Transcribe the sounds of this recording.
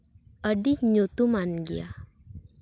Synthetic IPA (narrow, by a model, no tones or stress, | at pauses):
əɖiɲut̪umanɡja̰